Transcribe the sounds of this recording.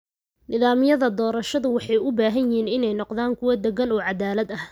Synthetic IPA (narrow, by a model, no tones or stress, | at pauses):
nɪðaːmɪjɐðɐd̪ɔːɾɐʃɐðʊwɑħɑjʊbaːɦɐnjɪɦiːnɪnɛjnɔqd̪aːŋkʰʊwɐd̪ɛɡɐnɔːʕɑd̪aːlɐd̪ɐh